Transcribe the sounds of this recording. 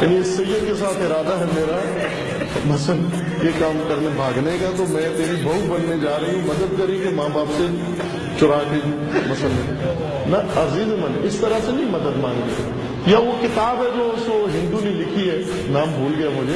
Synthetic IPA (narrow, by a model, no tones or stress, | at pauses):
jaːniɪsɐjəd̪kes̬aːt̪ʰɪɾaːd̪aɦɛmeːɾa | mɐsən | jekaːmkɐɾnebʱaːɡnekat̪omɛ̃ːt̪eːɾibɐɦut̪̚bɐnːed͡ʒaːɾɐɦiɦũmɐd̪əd̪̚kɐɾĩkemãːbaːpse | t͡ʃʊɾaːke | mɐsənːẽ | nɐɐziːzɛmɐnɪst̪ɐɾasenɐĩmɐd̪əd̪mãːŋɡneka̰ | jaʋokɪt̪aːbɦɛd͡ʒoːʊskoɦɪ̃nd̪unelɪkʰiɦɛː | naːmbʱuːlɡɐjamʊd͡ʒʱe